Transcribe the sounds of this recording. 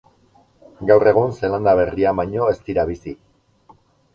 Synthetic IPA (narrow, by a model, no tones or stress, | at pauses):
ɡawre̞ɣ̞unseland̪aβ̞e̞riaβaɲo̞e̞st̪iɾaβ̞isi